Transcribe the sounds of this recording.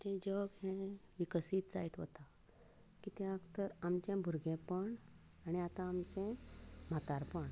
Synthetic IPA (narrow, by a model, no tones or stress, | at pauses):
t͡ɕɛ̃d͡ʑəɡɦɛ̃ʋikəsiːt̪d͡zaet̪ʋə̰t̪a | kit̪jaakt̪əɾamt͡ɕẽbʱuɾɡẽpəɳ | aɽ̃iat̪ãːmt͡ɕɛ̃m̤at̪aɾpəɳ